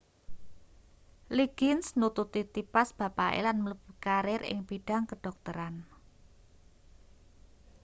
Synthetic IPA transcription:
liɡ̥ɪnsnut̪ut̪it̪ipasb̥a̤paʔḛlanmələb̥ikaɾɪɾɪ̰ŋb̥iɖ̥a̤ŋkəɖ̥ɔ̤k̚t̪əɾan

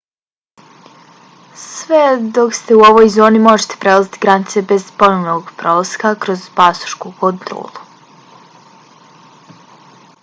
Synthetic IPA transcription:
sʋed̪o̞kst̪e̞uo̞ʋo̞jzo̞ːnimo̞ʒet̪epɾelˠazit̪iɡɾanit̪se̞be̞zpo̞noʋnoɡpɾo̞laskakɾo̞zbasu̥ʃkukont̪ɾo̰ːlˠu

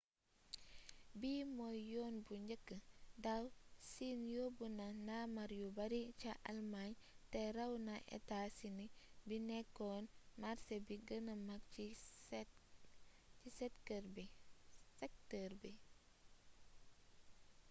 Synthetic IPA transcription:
biːmojːoːnbuɲɟəkːədawsinjobunɐnamɐɾjubɐɾit͡ʃaʔɐ̰lmaɲteɾɐwnɐʔḛtasinibinɛkːɔnmaɾsebiɡənɐmɐki | cisɛtkəɾbisɛk̚təɾbi

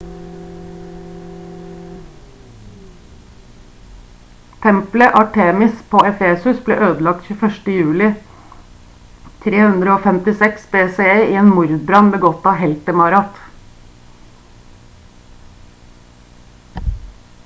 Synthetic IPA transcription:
t̪ʰɛmpləʔɑʈʰeːmɪspʰoːɛfeːsʉsblḛːʔøːd̪l̩ɑk̚t̪çʉːfœʃʈəjʉːlɪ | t̪ʰɾeːhʉnd̪ɾəoːfɛmt̪ɪsɛksbeːseːeːiːeːnmʊɾd̪̚bɾɑnbəɡɔt̪ɑːhɛlt̪əmɑɾɑt̪

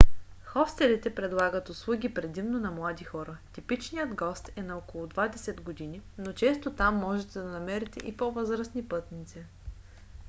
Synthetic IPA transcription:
xɔfst̪ɛlit̪ɛpɾɛd̪lˠaɡət̪ʊslˠuɡʲipɾɛd̪imnonɐmlˠad̪ixɔɾət̪ipit͡ʃnijəd̪ɡɔst̪ɛnɐɔkolˠʊd̪vad̪ɛsɛd̪ɡod̪ininot͡ʃɛst̪ot̪amːɔʒɛt̪ɛd̪ɐnɐmɛɾɛt̪ɛ̰ʔipovɤzɾəsnipɤt̪nit̪si

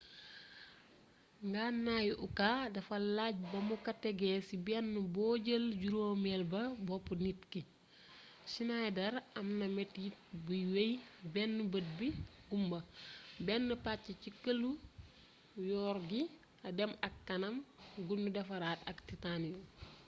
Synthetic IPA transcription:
ŋɡaːnːajʔukadɐfɐlaɟ̚bɐmukɐtɛɡɛsibɛnːubɔːɟəlɟuɾoːmɛlbɐbɔpːunitki | sinajdɐɾɐmnɐmɛtjit̚buwejbɛnːubət̚biɡumbɐbɛnːupacːicikəlu | jɔːɾɡi | ɐdɛmɐkːɐnɐmɡunːudɐfɐɾaːtɐksitaniu

